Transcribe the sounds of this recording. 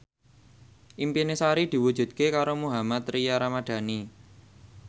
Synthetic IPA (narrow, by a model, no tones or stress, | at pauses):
ʔimpinesaɾid̪̥i̤wud̥ʒ̥ṳd̪̥̚kekaɾomuɦamat̪ɾijaɾamad̪̥ä̤ni